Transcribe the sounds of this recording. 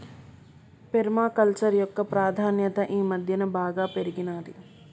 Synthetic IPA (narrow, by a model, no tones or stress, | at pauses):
peɾmaːkɐlt͡ʃɐɾjɔkːɐpɾaːd̪ʱaːnjɐt̪ɐʔiːmɐd̪ʱjɐnɐbaːɡaːpeɾiɡinaːd̪i